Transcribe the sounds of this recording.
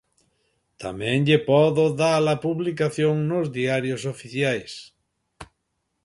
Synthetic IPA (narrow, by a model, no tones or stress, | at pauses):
t̪a̰mẽŋʎepɔðoðalapuβlikaθjõŋnozðiaɾjosofiθjajs